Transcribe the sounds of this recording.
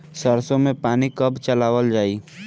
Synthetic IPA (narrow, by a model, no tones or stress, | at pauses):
səɾsõmẽpaːnikɐbt͡ʃɐlaːʋəld͡ʒaːiː